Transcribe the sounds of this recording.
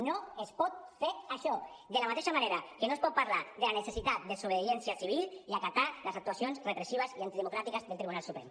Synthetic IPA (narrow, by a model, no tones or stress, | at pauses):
noespɔt̪̚feɾaʃɔ | d̪əlamat̪eʃamaneɾakenoespɔt̪̚paɾlad̪elanesesit̪at̪̚d̪esoβeðjɛnsiasiβ̞ilˠiakat̪aləzak̚t̪uasionzrepɾesiβəziant̪iðemukɾat̪ikəzðelˠt̪ɾiβunalˠsupɾɛ̰m